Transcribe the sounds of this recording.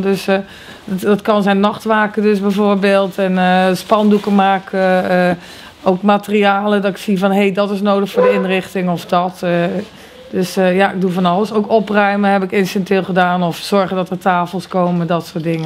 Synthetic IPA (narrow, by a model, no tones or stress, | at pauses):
døs | dɔtkɑnzɛjnɑχtʋaːkədøsbɛjvoːɹbeːlˠtɛnspɑndukəmaːkə | owkmaːtəriaːlədɔtɪ̥ksivɔnɦejdɔtɪsnoːdəχfʊːɹdəɪnrɪχtɪŋɔfdɔt | døsjaɪɡ̚dufɔnɑlˠəsowkɔprœɥməɦɛpɪkɪnsɛntɪːlˠχədaːnɔfsɔɹχəndɔtətaːfəlˠskoːmədɔtsoːt̚dɪŋə